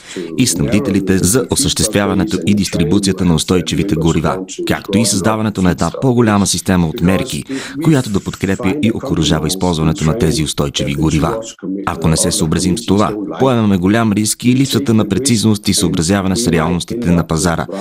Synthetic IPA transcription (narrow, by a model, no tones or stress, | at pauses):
isnɐbd̪it̪ɛlit̪ɛzɐʔosəʃt̪ɛst̪vʲjavɐnɛt̪oʔid̪ist̪ɾibut̪sijət̪ənɐost̪ɔjt͡ʃivit̪ɛɡʊɾiva̰ka̰kt̪oisɐzd̪avɐnɛt̪onɐɛd̪napoɡolʲaməsist̪ɛməot̪mɛɾkḭkojat̪od̪ɐpot̪kɾɛpjəʔiʔokoɾɐʒavəispɔlˠzvɐnɛt̪onɐt̪ɛziost̪ɔjt͡ʃiviɡʊɾiva̰ɐ̰konɛsɛsoːbɾɐzimst̪ova̰poɛvɛmɛɡolʲamɾiskilipsət̪ənɐpɾɛt̪siznost̪isoːbɾɐzjavɐnɛsɾɛalˠnost̪it̪ɛnɐpɐzaɾə̰